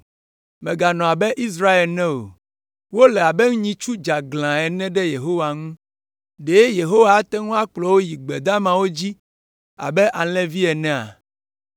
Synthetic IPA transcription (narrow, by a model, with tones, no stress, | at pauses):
mɛ̃˨ɡa˨nɔ̃˨a˨bɛ˦ʔi˦s̬ɾa˦e˨lnɛ̃˦o̰˨ | wo˦lɛ˨a˨be˦ŋũ˦ɲĩ˦t͡ʃu˦d͡ʒa˨ɡlã˨ɛ˨nɛ̃˦ɖɛ˦je˨ɦo˦wa˨ŋũ˦ | ɖe˨˦e˦je˨ɦo˦wa˦˨˦t̪ɛ˦ŋũ˦a˦k͡plɔ˨wo˦ji˨ɡ͡be˨d̪a˦mã˨wo˦d͡ʑi˦ | a̰˨bɛ˦ʔa˨lɛ̃˦vi˦ɛ˨nɛ̃˦a̰˨